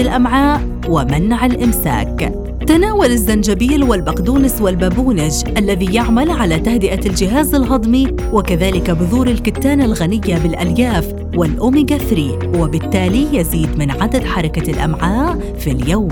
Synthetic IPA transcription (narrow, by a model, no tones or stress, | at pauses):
lʔamʕaːʔ | wɪmanʕalʔɪmsa̰ːk | t̪anaːwalɪzːand͡ʒabiːlwɪlbaqd̪uːnɪswɪlbabuːnɪd͡ʒʔalːaðijaʕmalʕalat̪ahd̪ɪʔald͡ʒɪɦaːzalɦɑd̪ˤmi | wɪkaðaːlɪkabʊðuːɾɪlkɪt̪ːaːnalɣanɪjːabɪlʔaljaːf | wɪlʔʊmiɡaθɾi | wɪbɪt̪ːaːlijaziːd̪mɪnʕad̪ad̪ħɑɾˤɑkalʔa̰mʕaːʔ | filjawm